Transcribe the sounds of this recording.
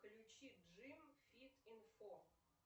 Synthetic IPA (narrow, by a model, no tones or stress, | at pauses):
klʲʊt͡ɕiʐɨmfʲit̪ɪnfo